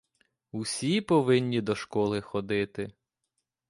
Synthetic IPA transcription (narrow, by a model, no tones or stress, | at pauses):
usʲipɔʋɪnʲːid̪ɔʃkɔlˠɪxɔd̪ɪt̪ɪ